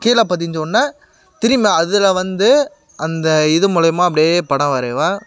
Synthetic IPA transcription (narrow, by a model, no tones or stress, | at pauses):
kiːlaːpaːt̪̬ːɪɲd͡ʒonːaː | t̪ɪɾɪmɐɐðɪlɐʋɐnd̪ɯ | ʔɐnd̪ɐɪðɯmʊlɐjɐmaːɐp̬ːɐɽɪjepɐɽɐʋaːɾeːʋaː